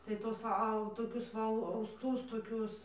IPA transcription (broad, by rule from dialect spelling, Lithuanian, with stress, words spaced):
tɐɪ ˈtuɔs ˈɐʊ toːˈkʲʊs ʋɐ ɐʊsˈtʊs toːˈkʲʊs